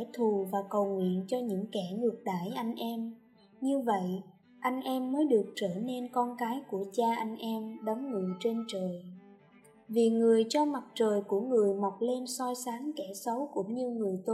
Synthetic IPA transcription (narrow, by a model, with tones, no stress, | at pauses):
ɛ˧˥˩t̪ʰu˨˩vaː˨˩kə˨˩wŋwḭ˧˨ənt͡ɕɔ˧ɲɨ̰˧˥ŋkɛ˧˩ŋɨ˨˩ək̚ɗa̰ː˧˩jʔa˧jŋ̟ʔɛ˧m | ɲɨ˧və̰˧˨j | ʔa˧jŋ̟ʔɛ˧mːəː˨˦jɗɨ˨˩ək̚t͡ɕəː˧˩ne˧nkɔ˧nkaː˨˦jku˧˩ət͡ɕaː˧ʔa˧jŋ̟ʔɛ˧mɗə˨˦wŋ͡mŋɨ˨˩əjt͡ɕe˧nt͡ɕəː˨˩j | vi˨˩ŋɨ˨˩əjt͡ɕɔ˧ma˨˩t̚t͡ɕəː˨˩jku˧˩əŋɨ˨˩əjma˨˩wk͡p̚le˧nsɔ˧jsaː˨˦ŋkɛ˧˩sə˨˦wkṵ˧˩əŋ͡mɲɨ˧ŋɨ˨˩əjt̪o˧